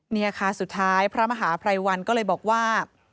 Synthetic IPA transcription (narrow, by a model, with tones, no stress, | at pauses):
miː˧ʔaː˧kʰaː˧nsu˨˩t̪ʰːaː˦˥jpʰɾa˦˥ma˧ɦaː˩˦pʰɾa˧jwa˧nkɔː˥˩lɤː˧jbɔː˨˩k̚waː˥˩